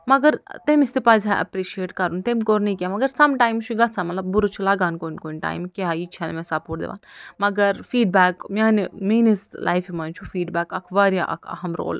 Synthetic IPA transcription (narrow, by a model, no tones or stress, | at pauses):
mɐɡɐɾt̪emist̪ipɐzʲaʔɐ̰pɾiʃieːʈkɐɾunt̪emkoːɾnɐikʲamɐɡɐɾsɐmʈaːjmt͡ʃʰuɡɐt̪t͡sʰamɐt̪lɐb̚buɾut͡ʃʰulɐɡaːnkonkonʈa̰ːjmkait͡ʃʰanemesaːpuːɾd̪ḛʋa̰ːnmɐɡɐɾfiːɖbæːkmaːnmeːneslʔa̰jfimɐnt͡ʃʰufiːɖbæːkɐkʰʋaɾjaʔɐ̰kʰɐ̰ɦɐmɾo̰ːl